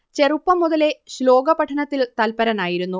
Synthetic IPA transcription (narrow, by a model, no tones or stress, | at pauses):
t͡ɕe̞rupːɐmːuðɐle̞ɕlo̞ːɡɐpɐʈʰːɐnɐt̪ːilt̪ɐlpɐɾɐnaːjiɾunːu